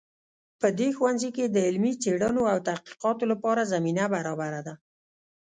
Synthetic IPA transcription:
pəd̪exwanziked̪əɪlmit͡seɽənoawt̪ahqi̥qɑt̪olapɑɾazaminabaɾɑbaɾad̪a

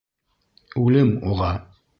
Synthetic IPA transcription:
ʉlɘmuʁɑ

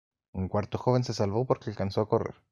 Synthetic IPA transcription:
uŋkwaɾt̪o̞xo̞β̞e̞nse̞salβo̞po̞ɾkealkanso̞ako̞rḛɾ

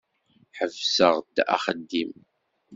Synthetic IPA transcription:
ħəvsəʁd̪a̰χəd̪ːim

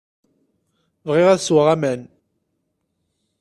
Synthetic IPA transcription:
vʁɪʁæðswəʁæmæn

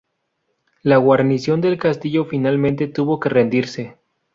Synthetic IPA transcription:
laɣwaɾnisjo̞nd̪e̞lkast̪iʝo̞finalmẽ̞nt̪e̞t̪uβo̞ke̞re̞nd̪iɾse̞

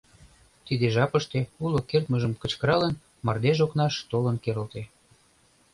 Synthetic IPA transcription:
t̪id̪eʒɑpəʃt̪eulokert̪məʒəmkə̆t͡ɕkəɾɑlən | mɑrd̪eʒoknɑʃt̪olə̆nkeɾə̆lt̪e

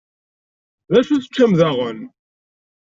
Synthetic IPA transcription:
ðæʃuθə̥t͡ʃːæmðæʁən

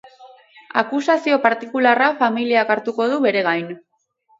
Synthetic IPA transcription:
akusasio̞paɾt̪ikularafamiliakaɾt̪uko̞ð̞uβe̞ɾe̞ɣajn

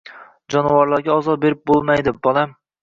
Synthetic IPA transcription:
d͡ʒɒnvaɾlˠaɾɡʲaɒzɒbe̞ɾɪp̚bolˠmajd̪ɪbɒlˠam

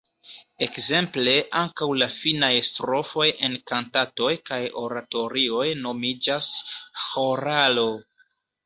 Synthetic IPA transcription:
e̞kze̞mple̞ʔaŋkawlafinajstɾo̞fo̞je̞nkantato̞jkajo̞̰ɾato̞ɾio̞jno̞mid͡ʒasxo̞ɾalo̞

